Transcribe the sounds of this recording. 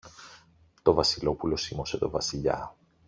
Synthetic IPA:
t̪o̞vɐsilo̞pulo̞simo̞se̞t̪o̞vɐsiʎɐ̰

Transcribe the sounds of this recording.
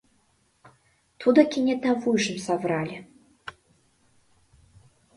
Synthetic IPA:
t̪ʰud̪ɐkʲinʲɛt̪avɨʂɨmsabɾalʲi

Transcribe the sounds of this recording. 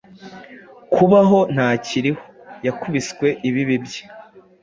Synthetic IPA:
kʰuβaɦo̞n̥haːciɾiho̥jakuβiskwe̞ʔiβiβibje̥

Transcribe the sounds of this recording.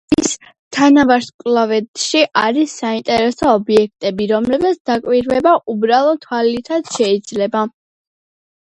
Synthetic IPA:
is | t̪ʰanavaɾskʼlˠɔvɛt̪ʃiʔaɾisːaint̪ʼɛɾɛsɔɔbiɛk̚ʰt̪ʼɛbiɾɔmlɛbmat̪sʰd̪akʼwiɾvɛbaʔubɾalˠɔt̪ʰwalit̪ʰad̪ʃɛid̪zlɛba

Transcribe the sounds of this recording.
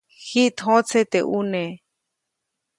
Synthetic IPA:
xiʔt̪ɦõt͡sʰet̪eʔune

